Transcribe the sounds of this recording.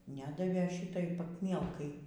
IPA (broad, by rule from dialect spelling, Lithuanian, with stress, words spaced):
ˈnʲæːdɐʋʲeːˈʃʲɪtɐɪ pɐkˈmʲiɛlˠkɐɪ